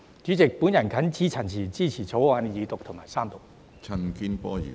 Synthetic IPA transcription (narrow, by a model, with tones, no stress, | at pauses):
t͡ʃy˨˥t͡sɪ˨k̚puː˨˥njɐ˨˩nkʰɐ˨˥nt͡siː˥t͡sʰɐ˨˩nt͡sʰiː˨˩t͡siː˥t͡sʰiː˨˩t͡sʰo˨˥wwaː˧njiː˨t̪ʊ˨k̚t̪ʰʊ˨˩maː˨˩jsaː˥mt̪ʊ˨k̚ | t͡sʰɐ˧nki˥npɔː˥jḭ˨